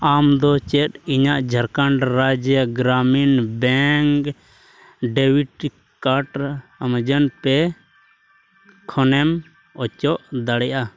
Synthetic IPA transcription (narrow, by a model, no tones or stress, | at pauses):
amd̪ɔt͡ʃɛt̪iɲaʔd͡ʒʱəɾkaɳɖɾad͡ʒəɡɾaminbɛŋk | ɖɛwiʈ | kaʈamd͡ʒənpɛ | kʰɔnɛm | ɔt͡ʃɔʔd̪aɽɛja